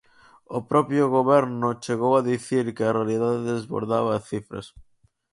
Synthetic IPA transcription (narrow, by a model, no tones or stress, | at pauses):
ʊpɾɔpjʊɣ̞oβɛɾnʊt͡ʃeɣowaðiθiɾkɪarealiðaðeðezβo̰ɾðaβaːθifɾɐ̰s